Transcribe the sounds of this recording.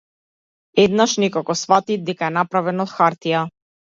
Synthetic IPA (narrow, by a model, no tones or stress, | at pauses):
ɛd̪naʃnikɔkɔsfat̪id̪ɛkaɛnapɾavɛnɔt̪xaɾt̪ija